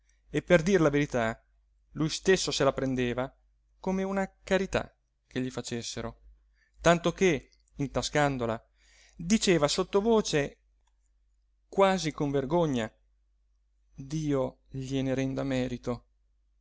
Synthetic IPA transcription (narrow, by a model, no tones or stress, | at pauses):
epːerd̪iɾlaveɾit̪a | lujst̪esːoselapɾend̪eːva | komeunakaɾit̪a̰ | k̟ʰːeʎːifat͡ʃesːeɾo | t̪ant̪oke | int̪askand̪ola | d̪it͡ʃeːvasot̪ːovoːt͡ʃe | kwaːzikoɱverɡoɲːa | d̪iːo | ʎineɾɛnd̪amɛːɾit̪o